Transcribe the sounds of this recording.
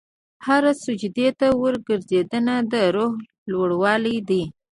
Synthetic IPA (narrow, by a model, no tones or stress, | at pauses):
haɾasʊd͡ʒd̪et̪awəɾɡəɾzed̪ənad̪əɾoɦ | lwəɽwɑlid̪i